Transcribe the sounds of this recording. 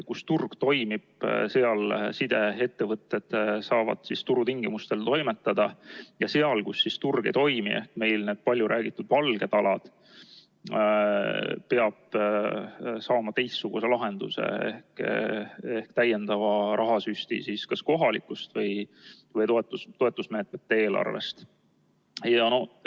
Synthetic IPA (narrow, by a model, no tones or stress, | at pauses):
kust̪urɡ̥t̪o̞jmib̥se̞ɑlsid̪e̞e̞t̪ːe̞vɤt̪ːe̞d̪̥sɑːvɑ̰d̪̥sist̪uɾut̪iŋɡ̥imust̪e̞lt̪o̞jmet̪ːˑɑd̪̥ɑjɑseɑlkusːist̪urɡ̥ḛt̪o̞jmḭe̞hkme̞jlneːd̪̥̚pɑlʲːjuɾʔæːɡ̥it̪ːˑud̪̥vɑlɡ̥e̞t̪ɑlɑd̪̥ | pe̞ɑb̥̚ | sɑːmɑt̪e̞jstːuɡ̥use̞lɑɦe̞nd̪̥ṵse̞̰ḛhk | ehkt̪æje̞nd̪̥ɑvɑɾʔɑɦɑsyst̪ḭsiskɑsko̞ɦɑlikːˑust̪vɤj | vɤjt̪oet̪ːˑut̪o̞e̞t̪ːˑusme̞ːt̪me̞t̪ːee̞ːlʔɑ̰rve̞̰st̪ | jɑno̞